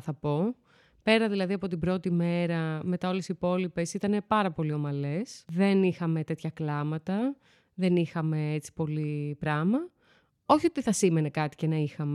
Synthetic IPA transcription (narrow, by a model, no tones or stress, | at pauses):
θɐpo̞ | pe̞ɾɐðilɐðiɐpo̞t̪ibɾo̞t̪ime̞ɾɐme̞t̪ɐo̞lesipo̞lipe̞sit̪ɐne̞pɐɾɐpo̞lio̞mɐle̞sðe̞nixɐme̞t̪e̞t̪çɐklɐmɐt̪ɐ | ðe̞nixɐme̞et͡si̥po̞lipɾɐmɐ | o̞çio̞t̪iθɐsime̞ne̞kɐt̪i̥cenɐixɐme